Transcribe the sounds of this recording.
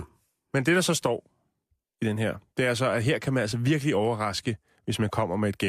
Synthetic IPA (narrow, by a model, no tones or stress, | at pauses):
mend̥e̝d̥ɑ̈sɒ̽sd̥ɒ̰ː | id̥enɦeɐ̰d̥e̝æɐæs̬ɒ̽æɦe̝ɐ̰kʰæmænæl̰sɒʋiɐɡ̥əliɒʊɐʁɑ̈sɡ̥ə | ʋe̝smænkʰɒ̽m̰ɐmee̝d̥̚ɡ̥e